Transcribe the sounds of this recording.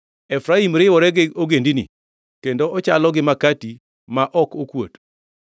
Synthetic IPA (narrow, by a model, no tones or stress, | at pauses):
ɛfɾaimɾɪwɔɾɛɡɪoɡendinḭ | kendoʔɔt͡ʃalɔɡɪmakati | maʔɔkokwo̰t